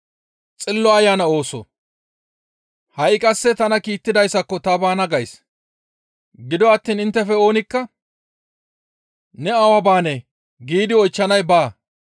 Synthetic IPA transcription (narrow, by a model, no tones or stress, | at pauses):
t͡sʼɪlːɔɐjaːnɐo̞ːsɔ̰ | hɐjɪkʼɐsːɛt̪ɐnɐkiːt̪ːɪd̪ɐjsɐkːɔt̪ɐbaːnɐɡɐjs | ɡɪd̪ɔɐt̪ːiːnɪnt̪ːɛfɛo̞ːnɪkːɐ | nɛɐwɐbaːne | ɡiːd̪ɪɔjt͡ʃːɐnɐjbaː